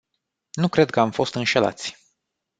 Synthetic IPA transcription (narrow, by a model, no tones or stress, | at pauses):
nukɾe̞d̪̚kəamfo̞st̪ɨnʃe̞la̰t̪sʲ